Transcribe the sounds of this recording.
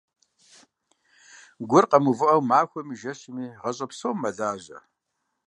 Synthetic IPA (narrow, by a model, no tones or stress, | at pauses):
ɡʷʊrqɐmuvɨʔɐwmaːxʷɔmiʒɐɕɪmiːʁɐɕʼɐpsoːmːɐɮaːʑɐ̰